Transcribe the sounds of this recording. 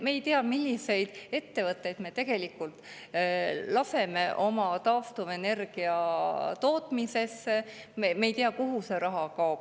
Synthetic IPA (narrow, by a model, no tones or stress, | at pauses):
me̞ːjt̪eɑmilʲːise̞jd̪̥e̞t̪ːe̞vɤt̪ːˑe̞jd̪̥me̞t̪e̞ɡ̥e̞likːˑult̪ˑ | lɑse̞me̞ʔo̞mɑt̪ɑːft̪uve̞ne̞rɡ̥iɑt̪o̞ːt̪mise̞sːe̞ | memejt̪eɑkuɦuse̞ɾɑɦɑkɑob̥